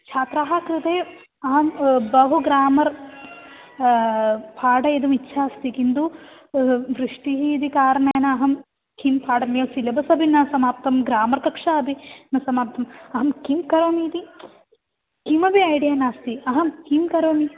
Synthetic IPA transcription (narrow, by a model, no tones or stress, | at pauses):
t͡ʃʰaːt̪ɾaːɦakɾut̪eː | ɐɦɐmbɐɦuɡɾaːmɐɾ | pʰaːɖɐid̪umitːʃʰaːst̪ikind̪u | ʋɾiʂʈiɦiːd̪ikaːɾɐɳɐjɐnɐːɦɐm | kimpʰaːɖɐmjɐsilɐbʱɐsɐbʱinɐsɐmaːp̚t̪ɐmɡɾaːmɐɾkɐkʂaɐbʱinɐsɐmaːp̚t̪ʰɐmɐɦɐmkimkɐɾoːmiːt̪i | kimɐbiɐjɽijɐnaːst̪iɐɦɐmkimkɐɾoːmi